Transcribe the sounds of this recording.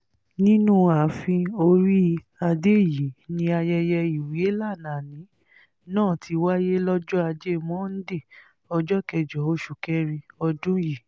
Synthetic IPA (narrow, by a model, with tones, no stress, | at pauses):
nĩ˦nũ˦a˨˦fĩ˧o˧ɾi˦ | a˧de˦˨ji˨˦nĩ˧a˧jɛ˧jɛ˧i˨we˦la˦˨nã˨nĩ˨˦ | nãː˦˨tʰi˧wa˦je˦lɔ˦d͡ʒɔ˦a˧d͡ʒe˦˨mɔ̃˦n̩˦de˦˨ | ɔ˧d͡ʒɔ˦kɛ˧˨d͡ʒɔ˨˦o˦ʃu˨kɛ˦ɾ̃ĩ˧ɔ˧dũ˦ji˨